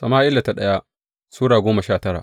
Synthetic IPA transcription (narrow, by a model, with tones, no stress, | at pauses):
sɐ˨maː˦ʔɪ˦lːa˨ta˦ɗɐ˦ja˦ | suː˦ɽaː˨ɡʷoː˦mɐ˨ʃaː˦˨tɐ˦ɽa̰˨